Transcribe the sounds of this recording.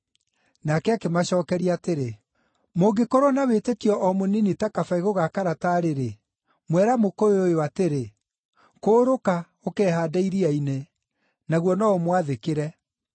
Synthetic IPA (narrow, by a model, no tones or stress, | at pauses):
nakɛakemaɕɔːkɛɾiateɾe | moɡekɔɾɔnawetetjɔʔɔmoninitakafaiɣoɣakaɾataɾeɾe | mwɛɾamokooojoateɾe | koːɾoka | okɛːhaːdaiɾiaine | naɣwɔnɔɔmwaðekeɾɛ